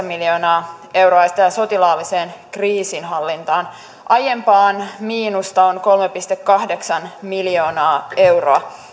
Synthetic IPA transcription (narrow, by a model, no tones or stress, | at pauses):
miljo̞ːnɑːe̞wɾoɑjɑsit̪æso̞t̪ilɑːliseːnkriːsinɦɑlːint̪ɑːn | ʔɑjempɑːnmiːnust̪ɑonko̞lmepist̪ekkːɑhde̞ksɑnmiljo̞ːnɑːewroɑ